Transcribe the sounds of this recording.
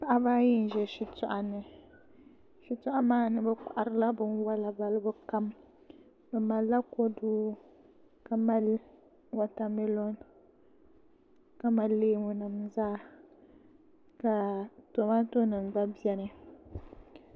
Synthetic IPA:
pa˨ʔa˦ba˦jɪ˦n˨ʒɛ˨ʃɪ˨tɔ˦ʔa˨nɨ˨ | ʃi˨tʊ˦ʔa˦maː˦nɨ˦bɛ˦ka˨ʔa˨ɾɨ˦la˦bɨ˦nwa˦la˨ba˦lɨ˦bʊ˦ka˦m | bɛ˨ma˨lːa˦ko˦duː˦ | ka˨ma˦l | wa˨ta˨mi˦lo˦n | ka˨ma˦lːeː˦mʊ˦nɨ˨mzaː˦ | ka˨to˨ma˦to˦nɨ˨ŋɡ͡ba˦bɛ˦nɨ˦

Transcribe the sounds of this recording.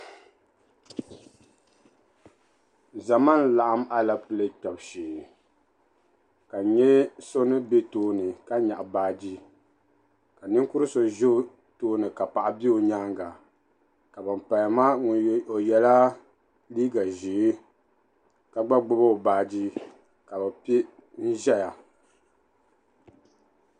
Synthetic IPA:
za˨ma˦n˦la˨ʔa˦ma˦la˨pɨ˨lɨ˦k͡pɛ˨bʃeː˨ | ka˨ɲɛ˦so˦nɨ˦be˦toː˦nɨ˨ka˦ɲa˨ʔa˨baː˦d͡ʒi˦ | ka˨nɨ˦ŋ˦ku˦ɾɨ˦so˨ʒɪ˦ | toː˦nɨ˨ka˨pa˨ʔa˨bi˦o˨ɲa˦ŋɡa˨ | ka˨bɨ˨m̩˨pa˨ja˨ma˦ŋ˨o˨jɛ˨la˦ | liː˦ɡa˨ʒi˨˦ | ka˨ɡ͡ba˦ɡ͡bʊ˦ba˦˨baː˨d͡ʒi˦ | ka˨ba˨pi˦ | n̩˦ʒɛ˦ja˨

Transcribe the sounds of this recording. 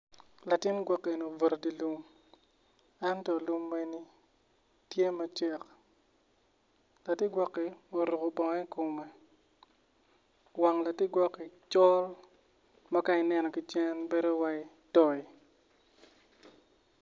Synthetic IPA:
la˨tɪ˦nɡwɔ˦kːe˨no˨vo˨ɾdi˨lu˦m | ɛ˦ntɔ˨lu˦mːe˦ni˦ | tje˦ma˦t͡ʃɛ˦k | la˨tɪ˦ɡwɔ˦kːi˨o˨ɾu˨ɡo˨bɔ˨ŋɛ˦ko˨me˨ | wa˨ŋla˨tɪ˦ɡwɔ˦kːi˨t͡ʃɔ˦l | ma˦ka˦ɪ˨nɛ˦nɔ˨kɪ˨t͡ʃɛ˦nbe˦ɾo˦wa˦ɪ˦ | tɔ˨i˨

